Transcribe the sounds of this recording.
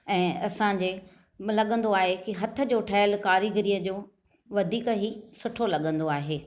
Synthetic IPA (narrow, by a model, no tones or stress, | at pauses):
ɛ̃ːɐsãːɲ̆d͡ʑeː | lɐɠə̃nd̪oaːɦekiɦɐt̪ʰə̆d͡ʑoːʈʰɐːɪlkaːɾiɡɪɾijəd͡ʑoː | ʋɐd̪ʱiːkəɦisʊʈʰolɐɠə̃nd̪oaːɦeː